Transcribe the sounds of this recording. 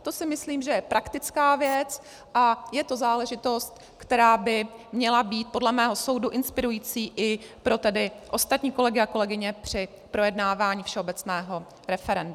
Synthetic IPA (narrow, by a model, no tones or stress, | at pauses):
t̪o̞sɪmɪsliːmʒɛjɛpɾakt̪ɪt͡skaːvjɛt͡s | ʔajɛt̪o̞zaːlɛʒɪt̪o̞st̪ | kt̪ɛɾaːbɪmɲɛlabiːt̪̚po̞dlɛmɛːɦo̞so̞wduʔɪnspɪɾujiːt͡siːʔɪpɾo̞t̪ɛdɪʔo̞st̪at̪ɲiːko̞lɛɡɪako̞lɛɡɪɲɛpr̝̥ɪ | pɾo̞jɛdnaːvaːɲiːfʃɛo̞bɛt͡snɛːɦo̞ | ɾɛfɛɾɛnd